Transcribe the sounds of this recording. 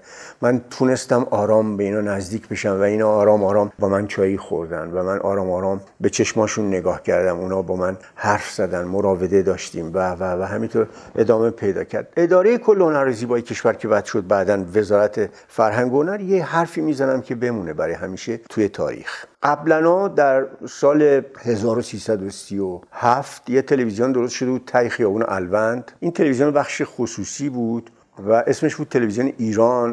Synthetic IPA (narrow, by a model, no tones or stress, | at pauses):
mænt̪ʰune̞st̪æmɒːɾɒːmbe̞iːnɒːnæzd̪iːcʰbe̞ʃæmvæiːnɒːɾɒːmɒːɾɒːmbɒːmænt͡ʃʰɒːjiːxoɾd̪ænd̪væmænʔɒ̰ːɾɒːmɒːɾɒːm | be̞t͡ʃʰe̞ʃmɒːʃunːe̞ɡɒːhcʰæɾd̪æmuːnɒːbɒːmæn | hæɾfz̥æd̪ænd̪moɾɒːve̞d̪e̞d̪ɒːʃt̪iːmvævævæɦæmint̪ʰoɾʔe̞d̪ɒːme̞pʰe̞jd̪ɒ̰ːcʰæ̰ɾd̪e̞d̪ɒːɾejekʰolːehonæɾeziːbɒːjecʰe̞ʃvæɾcʰe̞væd̪̥ʃo̞d̪̚bæːd̪ænve̞zɒːɾæt̪ʰe | fæɾɦæŋɡoonæɾjehæɾfiːmiːzænæmcʰe̞be̞muːne̞bæɾɒːjehæmiːʃe̞t̪ʰuje̞t̪ʰɒ̰ːɾḭxɢæblænɒːd̪æɾsɒːle̞he̞zɒːɾosiːsæd̪osiohæft̪jet̪ʰe̞levizionid̪oɾo̞st̪ʃo̞d̪ebuːd̪̚t̪ʰæjexijɒːvuːneʔælvænd̪̥ʔint̪ʰe̞levizijonbæχʃexosuːsiːbuːd̪̥ | væʔe̞sme̞ʃbuːd̪̚t̪ʰːe̞levizijoneʔiːɾɒːn